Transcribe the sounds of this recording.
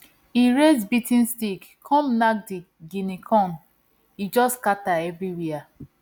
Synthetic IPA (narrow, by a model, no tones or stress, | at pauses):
iɹezbitĩnstikkʰɔ̃mnak̚di | ɡinikʰɔ̃n | id͡ʒɔskataɛvɹiwia